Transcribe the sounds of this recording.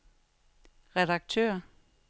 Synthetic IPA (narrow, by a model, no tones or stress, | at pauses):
ʁɛdɑ̈ɡ̥̚t͡sʰø̰ɐ